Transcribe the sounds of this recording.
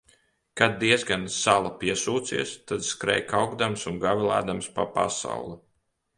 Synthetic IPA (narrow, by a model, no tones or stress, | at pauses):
kad̪̚ːiɛzɡansalˠapiɛsuːt̪siɛst̪ad̪skɾɛ̰jkawɡd̪amsunɡavʲilˠa̰ːd̪amspapa̰sa̰wlˠi